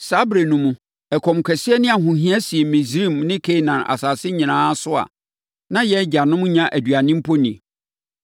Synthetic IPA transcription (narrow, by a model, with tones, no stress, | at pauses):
sa˨˦bɾe˨nũ˨mũ˦ | ɛ˨kʰɔ̃˨mkʰɛ˨sɪ˦ɛ˦nɪ̃˦a˨ɦʊ̃˨ɦĩ˦a˦si˨e˨mĩ˨si˦˨mnɪ̃˦kʰe˦˨nã˨na̰˨saː˨sɪ˦ɲĩ˨nãː˦sʊ˦a̰˨ | nã˦jɛ˦d͡ʑa˨nʊ̃˦m̃˦ɲã˦ʔæ˨dɥa˨nɪ̃˦m̩˦pʰo˦nĩ˨